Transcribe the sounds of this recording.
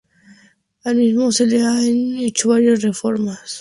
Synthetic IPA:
almizmoseleanet͡ʃoβaɾjasrefoɾmas

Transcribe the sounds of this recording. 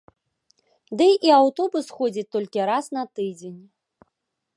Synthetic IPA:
d̪ɨʔiawt̪ɔbusxɔd͡zʲit̪ːɔlʲkʲiɾasnɐt̪ɨd͡zʲenʲ

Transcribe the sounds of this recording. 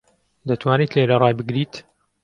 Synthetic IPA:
d̪ɐt̪waːniːt̪lelɐrˤɑːjbɨɡɾiːt̪

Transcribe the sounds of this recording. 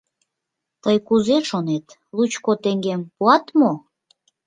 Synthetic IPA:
t̪əjkuzeʃonet̪ | lut͡ɕkot̪eŋɡempuɑt̪mo

